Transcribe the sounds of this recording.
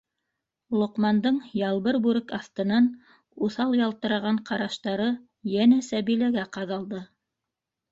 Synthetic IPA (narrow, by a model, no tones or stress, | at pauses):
ulˠŏqmɑnd̪ɤɴjɑlˠβɤɾbʉɾɘkɑθt̪ɤ̆nɑn | uθɑlˠjɑlˠt̪ɤ̆ɾɑ̆ʁɑɴqɑɾɑʃt̪ɑɾɤ | jænæsæbilæɡæqɑðɑlˠd̪ɤ